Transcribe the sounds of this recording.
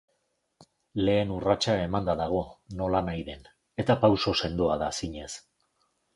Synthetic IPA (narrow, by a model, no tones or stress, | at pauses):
le̞ːnurat͡ʃae̞mand̪aðaɣ̞o̞no̞lanajðe̞n | e̞t̪apawso̞se̞nd̪oaðasiɲe̞s